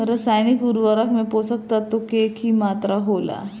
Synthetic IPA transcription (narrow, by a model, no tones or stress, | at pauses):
ɾəsajnikuɾʋəɾakmeposək̚t̪at̪ːokekiːmat̪ɾaɦola̰